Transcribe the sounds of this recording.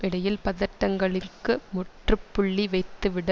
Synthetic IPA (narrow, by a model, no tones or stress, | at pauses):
ʔɪɽɐjɪlpɐðɐʈːɐŋɡɐɭɪkːɯmʊʈrɯpːʊɭːiʋɐɪt̪ːɯʋɪɽɐ